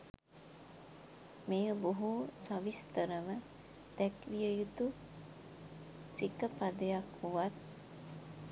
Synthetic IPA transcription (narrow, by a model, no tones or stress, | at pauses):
mejəboɦusaʋist̪əɾəmə | d̪̥ɛkʋijəjut̪u | sikəpad̪ejakhuʋat̪̚